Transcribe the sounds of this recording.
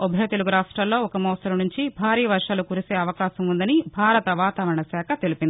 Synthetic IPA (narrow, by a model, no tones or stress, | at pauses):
obʱɐjɐt̪eluɡuɾaːʂʈɾaːllo̞ːɔkɐmɐːsɐɾɐmnuɲt͡ʃibʱaːɾiːɐʋɐɾʂaːlukuɾiseːɐʋɐkaːsɐmund̪ɐnibʱaːɾɐt̪ɐʋaːt̪aːʋɐɾɐɳɐsɛːkʰɐt̪elipind̪i